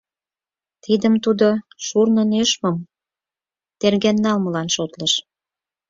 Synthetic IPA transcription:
t̪id̪əmt̪ud̪oʃurnə̆neʃməm | t̪erɣænːɑlmə̆lɑnʃot̪lə̆ʃ

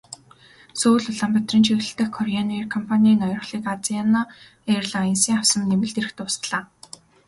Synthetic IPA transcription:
soːɮʊɮaːmpʲat̪rĭnt͡ɕʰiɣɮɘ̆ɬt̪ɘ̆xkʰːɔraniːrkʰɔmpʰanʲiiːnɔjɞ̆rɞ̆χɮiːkat͡siana | erɮaensiːŋawsə̆nːemɘ̆ɮt̪eɾɘ̆xt̪ʊːsɮaː

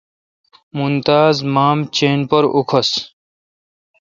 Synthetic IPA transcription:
munt̪aːzmaːmt͡ɕeːnpʌɾukʰʌs

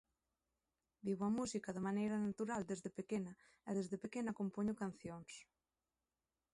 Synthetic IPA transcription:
biβoamusikaðemanejɾanat̪uɾald̪ezðepekena | ɛðezðepekenakompoɲʊkanθjoŋs

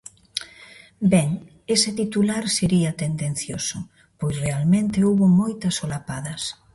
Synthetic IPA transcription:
bɛŋ | esɪt̪it̪ulaɾseɾiɐt̪end̪en̟θjosʊ | pojsrealmẽnt̪eoβʊmojt̪ɐsolapaðɐs

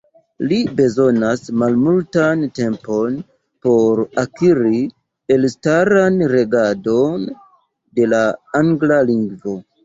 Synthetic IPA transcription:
libe̞zo̞nasmalmultante̞mpo̞n | po̞ɾakiɾi | e̞lstaɾanɾe̞ɡado̞n | de̞laaŋɡlaliŋɡvo̞

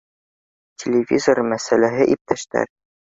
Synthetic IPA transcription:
tʲʰelʲevʲizormæsælæɦɘʔip̚t̪ʰæʃt̪æ̰ɾ

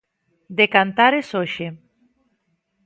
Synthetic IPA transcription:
d̪ekant̪aɾesoʃe

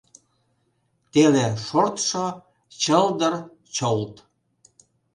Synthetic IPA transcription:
t̪eleʃort̪ʃo | t͡ɕəld̪ər | t͡ɕolt̪

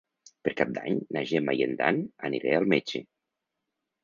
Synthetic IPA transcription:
peɾkap̚d̪a̰ɲnaʒemajend̪a̰nəniɾealˠmed͡ʒe

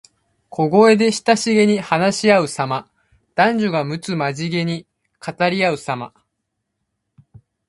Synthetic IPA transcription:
kʰo̞ɡo̞e̞d̪e̞ɕi̥t̪aɕiɡe̞ɲ̟ihanaɕiaɯ̟sama | d̪̥ãɲ̟d͡ʑoɡamɯ̟t͡sɨmaʑiɡe̞ɲ̟i | kʰat̪aɾʲiaɯ̟sama̰

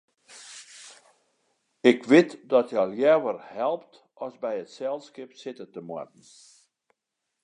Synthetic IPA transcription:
ɪkʋɪtdɔtjəɔlˠjɛʋərhɛlˠpt | ʔɔsbɛjətsɛlˠskɪpsɪtətəmɔ̰rdn̩

